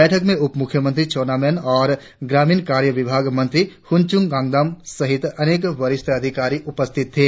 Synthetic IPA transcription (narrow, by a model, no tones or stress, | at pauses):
ɛːʈʰəkmẽʊpmʊkʰjəmə̃nt̪ɾit͡ʃoːnaːmɛːnɔːɾ | ɡɾaːmiːnkaːɾjəʋɪbʱaːɡmɐ̃nt̪ɾihʊnt͡ʃʊ̃ŋɡãːŋɡd̪aːmsɐɦɪt̪ɐneːkʋɐɾɪst̪ʰɐd̪ʱɪkaːɾiʊpəst̪ʰɪt̪ʰːeː